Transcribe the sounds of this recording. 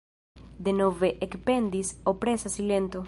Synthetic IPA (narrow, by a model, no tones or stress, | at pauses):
d̪enoveʔekpend̪isopɾesasilent̪o